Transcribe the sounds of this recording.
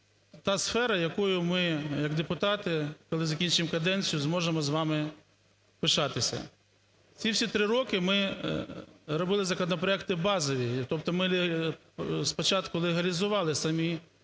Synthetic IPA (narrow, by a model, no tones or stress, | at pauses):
t̪ɑsfɛɾɐjɐkujʊmɪjɐɡd̪epʊt̪ɑt̪ɪkɔlˠɪzɐkʲint͡ʃɪmkɐd̪ɛnʲt͡sʲijʊzmɔʒemɔzʋɑmɪ | pɪʃɑt̪ɪsʲɐ̰ | t͡sʲiwsʲit̪ɾɪɾɔkɪmɪ | ɾɔbɪlˠɪzɐkɔnɔpɾɔɛkt̪ɪbɑzɔʋʲit̪ɔp̚t̪ɔmɪ | spɔt͡ʃɑt̪kʊlˠeɦɐlʲizʊʋɑlˠɪsɐmʲi